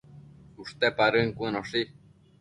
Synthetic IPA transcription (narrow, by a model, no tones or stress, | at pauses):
uʂt̪epaɾɨŋkʷɨ̃noʂi